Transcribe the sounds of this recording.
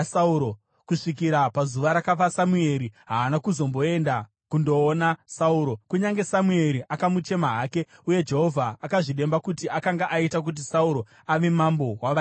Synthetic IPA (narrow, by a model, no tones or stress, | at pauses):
sauɾo | kuʂikiɾapazuʋaɾakafasamue̞ɾiɦaːnakuzo̞mbo̞e̞nda | kundo̞ːnasauːɾo̞kuɲaŋɡe̞samue̞ɾiʔakamut͡ʃe̞maɦaːke̞uje̞d͡ʒe̞ɦo̞vʱaːkaʐiɗe̞mbakutiʔakaŋɡaʔaitak̬ut̬isauɾo̞ | aʋe̞mambo̞waʋa